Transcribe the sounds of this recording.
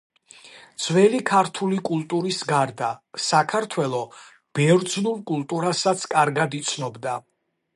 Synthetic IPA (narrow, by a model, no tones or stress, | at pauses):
d̪z̥wɛlikʰaɾt̪ʰulikʼulˠt̪ʼuɾisɡaɾd̪asakʰaɾt̪ʰwɛlˠɔ | b̥ɛɾd̪znulˠkʼulˠt̪ʼuɾasat̪sʰkʼaɾɡad̪it̪sʰnɔbd̪a